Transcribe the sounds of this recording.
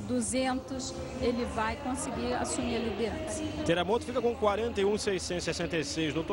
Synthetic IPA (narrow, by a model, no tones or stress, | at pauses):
d̪uzẽnt̪ʊs | elɪvajkõsɪɡiɾa̰sumiɾɐlid̪eɾɐ̃sɐ̥t̪eɾamot̪ʊfikɐkõkwaɾẽnt̪ɐjũsejsẽt̪sɛsẽnt̪ejsejzd̪ot̪